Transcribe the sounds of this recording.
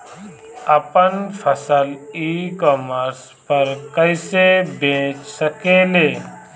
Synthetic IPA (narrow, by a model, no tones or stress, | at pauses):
əpənpʰəsəliːkɔːməɾs | pəɾkəɪsebẽːt͡ʃsəkeːleː